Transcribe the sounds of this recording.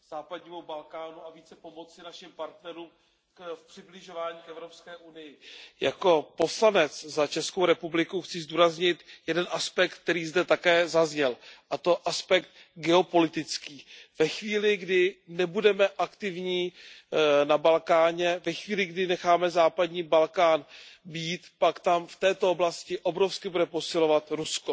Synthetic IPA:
z̥aːpadɲiːmubalkaːnuaviːt͡sɛpo̞mo̞t͡sɪnaʃɪmpaɾt̪nɛɾuːm | kfpr̥ɪblɪʒo̞vaːɲiːkɛvɾo̞pskɛːʔunɪjɪja̰ko̞po̞slanɛt͡szat͡ʃɛskowɾɛpublɪkuxt͡sɪzduːɾazɲɪt̪jɛdɛnʔaspɛk̚t̪ːt̪ɛɾiːzdɛt̪akɛːzazɲɛlʔat̪o̞ʔaspɛk̚t̪̚ | ɡɛo̞po̞lɪt̪ɪt͡skiːvɛxviːlɪɡdɪnɛbudɛmɛʔakt̪ɪvɲiː | nabalkaːɲɛvɛxviːlɪɡdɪnɛxaːmɛzaːpadɲiːbalkaːnbiːt̪pakt̪amft̪ɛːt̪o̞oblascɪʔo̞bɾo̞fskɪbudɛpo̞sɪlo̞vat̪ɾusko

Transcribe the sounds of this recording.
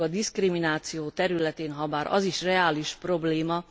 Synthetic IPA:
ɒd̪iskriminaːt̪sijoːt̪ɛɾylɛt̪eːnɦɒbaːɾɒ̰ziʃrɛaːliʃpro̞bleːmɒ

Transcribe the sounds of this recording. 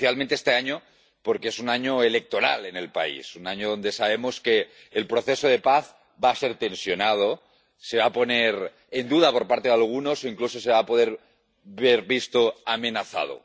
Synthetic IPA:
jalment̪eest̪eaɲo | poɾkeesunaɲoele̞k̚t̪o̞ɾa̰lene̞lpa̰ḭsunaɲoðo̞nd̪e̞saβ̞emoskeː | lpɾoθesoð̞e̞paθ | baːseɾt̪e̞nsjo̞nað̞o | se̞βapo̞neɾ | end̪uð̞apo̞ɾpaɾt̪eðalɣ̞uno̞so̞iŋklusoseβaːpo̞ðeɾ | βeɾβist̪oamenaθa̰ð̞o̰

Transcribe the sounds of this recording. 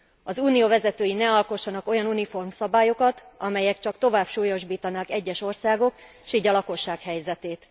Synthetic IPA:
ɒzuːnijoːvɛzɛt̪øːjinɛɒlko̞ʃːɒnɒko̞jɒnunifo̞rmsɒbaːjo̞kɒt̪ɒmɛjɛkt͡ʃɒkt̪o̞vaːpʃuːjo̞ʒbiːt̪ɒnaːkɛɟːɛʃo̞rsaːɡo̞kʃiːɟɒlɒko̞ʃːaːkhɛjzɛt̪eːt̪

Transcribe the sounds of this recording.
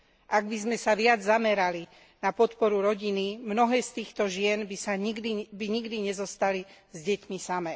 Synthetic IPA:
ʔaɡbizmɛsaʋɪad͡zzamɛɾali | napɔt̪pɔɾuɾɔɟinimnɔɦɛːst̪iːxt̪ɔʒɪɛnbisaɲiɡd̪ibiɲiɡd̪iɲɛzɔst̪ali | zɟɛcmisamɛː

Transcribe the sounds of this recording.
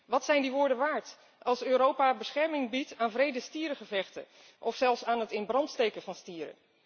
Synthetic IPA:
ʋɑtsɛjndiʋʊːɹdənʋaːɹt | ɑlˠsøːɾowpabəsχɛɹmɪŋbitaːnvrejdəstiːɾəχəvɛχtə̰ | ʔɔfsɛlˠfsaːnɦətɪnbrɑntstejkəvɑnstiːəɾə̰

